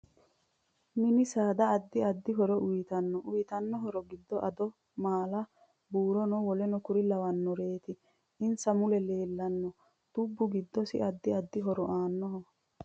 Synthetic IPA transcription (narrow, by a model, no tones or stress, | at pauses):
mɪnɪsaːd̪ɐːd̪ːɪɐd̪ːɪɦɔɾɔʔʊjɪt̪ɐnːɔʔʊjɪt̪ɐnːɔɦɔɾɔɡɪd̪ːɔʔɐd̪ɔ | maːlɐ | buːɾɔnɔwɔlɛnɔkʊɾɪlɐwɐnːɔɾe̞ːt̪ɪ | ɪnsɐmʊlɛle̞ːlːɐnːɔ | d̪̥ʊbːʊɡɪd̪ːɔsɪ̰ɐd̪ːɪɐd̪ːɪɦɔɾɔʔaːnːɔɦɔ